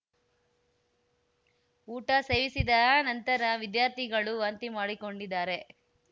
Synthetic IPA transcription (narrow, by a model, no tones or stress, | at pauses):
uːʈɐse̞ːʋisid̪ɐnɐnt̪ɐɾɐʋid̪jaːɾt̪ʰiɡɐɭuʋɐnt̪imaːɽiko̞ɳɖid̪ːaːɾe̞